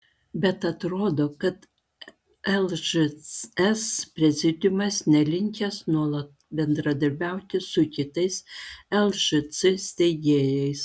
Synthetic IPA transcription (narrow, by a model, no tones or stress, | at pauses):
bʲɛt̪ɐt̪ɾoːd̪oːkɐt̪ | ɛlˠʒ | ɛspʲɾʲɛzʲɪd̪ʲʊmɐsnʲɛlʲɪŋʲkʲɛsnuɔlˠɐt̪̚ | bʲɛnd̪ɾɐd̪ɐɾʲbʲæˑʊt̪ʲɪsʊkʲɪt̪ɐɪsɛlˠʒɨsɨsʲt̪ʲɛɪɡ̪ʲeːjɛɪs